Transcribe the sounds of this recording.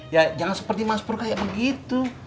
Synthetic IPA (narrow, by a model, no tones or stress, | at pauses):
jad͡ʒaŋansə̥pərt̪imaspʊrkajaʔ̚bəɡit̪u